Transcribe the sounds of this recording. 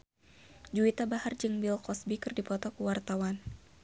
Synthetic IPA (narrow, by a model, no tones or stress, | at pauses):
d͡ʒuit̪abahard͡ʒɨŋbilkɔsbikɨrdipɔt̪ɔkuwart̪awan